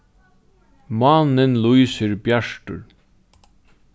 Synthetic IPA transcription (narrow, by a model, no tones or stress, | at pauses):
manɪnlujsɪɾbjaʂʈʊ̰ɹ